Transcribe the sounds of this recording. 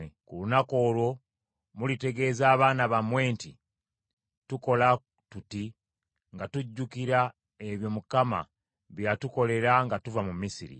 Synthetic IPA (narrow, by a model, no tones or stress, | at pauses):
kulunako̞ːlwo̞ | mulite̞ɡe̞ːzaːβaːnaβamwe̞ːnti | tuko̞la | tuti | ŋɡatuɟːukiɾa | e̞βjo̞mukama̰ | βjatuko̞le̞ɾaŋɡatuvamumisiɾḭ